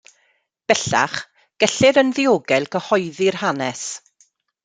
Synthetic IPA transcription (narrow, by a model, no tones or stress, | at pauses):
b̥ɛɬa̰χ | ɡ̥ɛɬɪɾənðɪoːɡɛlˠkʰəhɔjðɪrhanɛs